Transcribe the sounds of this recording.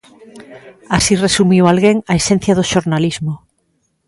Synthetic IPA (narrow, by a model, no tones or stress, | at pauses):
asiresumiwalɣeŋaesẽn̟θjaðoʃoɾnalizmo